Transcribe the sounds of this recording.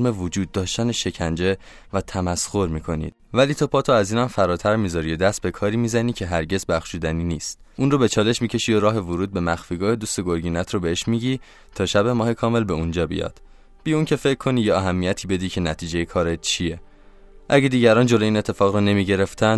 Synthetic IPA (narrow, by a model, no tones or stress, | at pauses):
me̞vod͡ʒuːd̪̚ːɒːʃt̪æneʃe̞cʰænd͡ʒe̞ | væt̪ʰæmæsxo̞ɾmiːkʰo̞nḭːd̪̥̚væliːt̪ʰopʰɒːt̪ʰoæziːnæmfæɾɒːt̪ʰæɾmiːzɒɾijod̪æst̪̚be̞kʰɒːɾiːmizæniːcʰe̞ɦæɾɟe̞zbæxʃuːd̪æniniːst̪̚ʔunrobe̞t͡ʃʰɒːle̞ʃmiːcʰe̞ʃiːjoɾɒːɦe̞voɾuːd̪̚be̞mæxfiːɡɒːhed̪uːst̪eɡo̞ɾɡiːnæt̪ʰrobeeʃmiːɟi | t̪ʰɒːʃæbe̞mɒːhe̞kʰɒːme̞lbe̞und͡ʒɒːbḭjɒ̰ːd̪̥ | b̥iuncʰe̞fecʰːo̞nijeæɦæmːijæt̪ʰiːbe̞d̪icʰe̞næt̪ʰiːd͡ʒejekʰɒːɾet̪t͡ʃʰie̞ | ʔæɟed̪iːɟæɾɒːnd͡ʒo̞loiːne̞t̪ʰːe̞fɒːɣɾɔne̞miːɟe̞ɾe̞ft̪ʰænd̪